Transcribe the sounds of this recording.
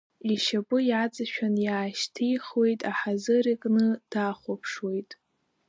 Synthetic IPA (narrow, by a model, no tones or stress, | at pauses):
iʃapʼɨjat͡sʼaʃᶣanjaːʃtʰijχwe̞jtʼaħazɨrikʼnɨd̥aχʷopʰʂwe̞jtʼ